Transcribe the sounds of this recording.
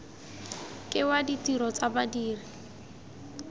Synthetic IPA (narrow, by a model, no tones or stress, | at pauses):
kʼɪwaditiɾɔt͡sabadiːri